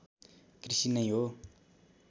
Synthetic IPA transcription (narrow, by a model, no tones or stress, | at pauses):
krisinʌj̃ɦo